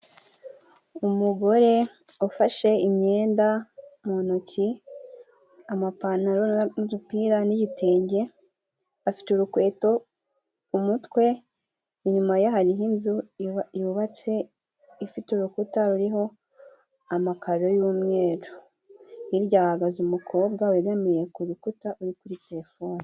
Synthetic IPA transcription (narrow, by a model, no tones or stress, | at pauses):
umuɡo̞ɾe̞ | ufaʃe̞imɲe̞ːndamonoci | amapanaɾonudupiːɾaniɟitʰeːɲɟe̞ | afi̥teuɾukwe̞ːto̞ | umutwe̞ | iɲumajaɦaɾiɦinzujuβat͡se̞ː | fituɾukutaɾuɾiɦo̞ | amakaɾo̞juːmŋe̞ːɾo | iɾɟaːhaɡazumukʰo̞ːbɡaweɾamijekuɾukutaʔuɾikuɾite̞ɾe̞fo̞ːnii